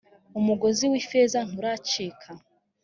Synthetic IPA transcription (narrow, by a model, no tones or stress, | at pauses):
umuɡo̞ziwifezan̥uɾat͡ʃiːkʰa